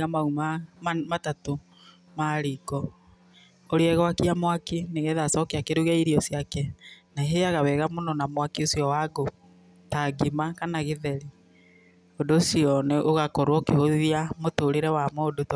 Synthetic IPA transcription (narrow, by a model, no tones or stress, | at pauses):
amaumamatato | maɾiɡɔ | oɾeɛɣwakiamwakineɣɛðasɔkɛakeɾuɣɛiɾiɔsjakɛnaɦeaɣawɛɣamonɔnamwakiosiɔwaɡo | taɡimakanaɣeðɛɾi | ondoːsiɔneʔoɣakɔɾwɔkehoðiamotoɾeɾɛwamoːdot